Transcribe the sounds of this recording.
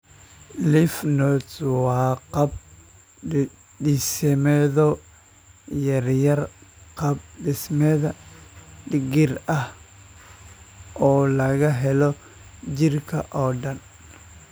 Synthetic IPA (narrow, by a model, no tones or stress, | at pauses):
lɪfnɔt͡swɑːqɑb̚ | ɪsɛmɛðɔ | jɐrjɐrqɑb̚ɖɪsmɛðɐ | ɖɪɡɪrɐh | ʔɔːlɐɣɐɦɛlɔ | d͡ʒɪrkʰɐ̰ʔɔːɖɐn